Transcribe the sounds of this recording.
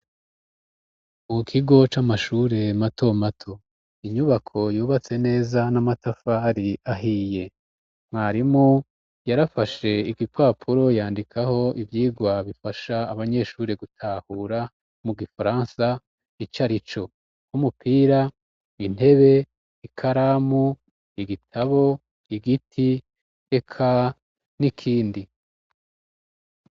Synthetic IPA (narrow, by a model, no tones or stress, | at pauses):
mukʰiɡo̞t͡ʃamaʃuːɾe̞matʰo̞matʰo̞ | iɲuβakʰo̞juːβat͡se̞ne̞ːzanamatafaːɾiaɦiːje̞ | m̥haːɾimŋo | jaɾafaʃe̞iɡipwaːpʰuɾo̞jaːndikʰaho̞ivjiːɡwaβifaʃaːβaɲe̞ʃuːɾeɡutʰaːhuːɾa | muɡifaɾaːnsa | it͡ʃaɾit͡ʃo̞ | humupiːɾa | in̥he̞βe̞ | ikʰaɾaːmu | iɡitʰaβo̞ | iɡitʰi | ekʰa | nikʰiːndi